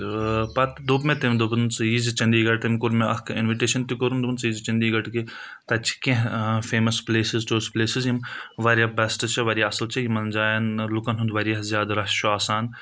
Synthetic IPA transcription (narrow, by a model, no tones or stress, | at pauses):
pɐt̪d̪upmet̪ɐmd̪ubɨnt͡sɨjizt͡ʃɐnd̪iːɡɐʈ̚t̪ɐmkuɾmeʔɐkʰinʋiʈeːʃɐnt̪ikuɾund̪ubnt͡sjiːzt͡ʃɐnd̪iːɡɐʈki | t̪ɐt͡ʃʰi̥kẽɦfeːmɐspleːsizʈoːspleːsizjimʋɐɾjabɐsʈɐt͡ʃʰɐʋɐɾjaɐsɐlt͡ʃʰɐjimɐnd͡ʒaːjɐnlukɐnɦund̪ʋɐɾjɐɦzʲjaːd̪ɾɐʃʰoaːsaːn